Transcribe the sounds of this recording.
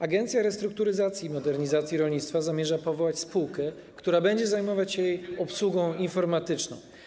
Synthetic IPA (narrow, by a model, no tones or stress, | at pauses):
aɡɛnt̪sʲjaɾɛst̪ɾuk̚t̪uɾɘzat̪sʲjimɔd̪ɛɾɲizat̪sʲjiɾɔlɲit̪st̪fazamʲjɛʐapɔvɔwat͡ɕspuwkɛ | kt̪uɾabɛɲd͡ʑɛzajmɔvat͡ɕjejɔpswuɡɔ̃w̃infɔɾmat̪ɘt͡ʂnɔ̰̃w̃